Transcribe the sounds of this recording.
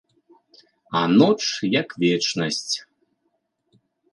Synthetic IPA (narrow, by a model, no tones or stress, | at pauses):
anɔt͡ʂjakvʲɛt͡ʃnɐsʲt͡sʲ